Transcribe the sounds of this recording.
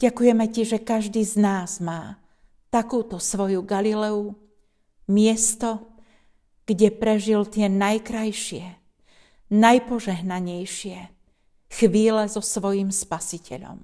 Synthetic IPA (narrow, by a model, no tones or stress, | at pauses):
ɟ̥akujɛmɛciʒɛkaʒd̪iːznaːzmaː | t̪akuːt̪ɔsʋɔjuɡalilɛu | mɪɛst̪ɔ | ɡ̥ɟɛpɾɛʒilt̪ɪɛnajkɾajʃɪɛ | najpɔʒɛɦnaɲɛjʃɪɛ | xʋiːlɛzɔsʋɔjimspasicʰɛ̰ʎɔ̰m